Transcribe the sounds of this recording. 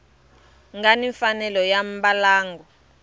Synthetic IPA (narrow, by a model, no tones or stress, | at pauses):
ŋɡaniɱfanɛlɔjam̩ɓalaːŋɡɔ